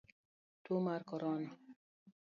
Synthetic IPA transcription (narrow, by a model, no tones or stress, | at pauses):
t̪umaɾkɔɾɔni